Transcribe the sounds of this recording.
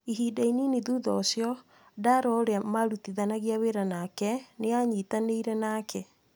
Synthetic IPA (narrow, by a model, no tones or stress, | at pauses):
iɦiːdaininiðuðɔsjɔ | daɾɔːɾeamaɾutiðanaɣiaweɾanakɛneaɲitaneiɾɛnakʰɛ